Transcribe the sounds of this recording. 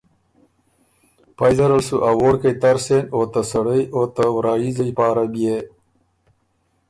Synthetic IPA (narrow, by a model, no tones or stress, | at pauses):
pajzɐɾɐlsuʔawoːɽkəjt̪aɾsenoːt̪asɐɽəjoːt̪awɾɑːjizəjpɑːɾabije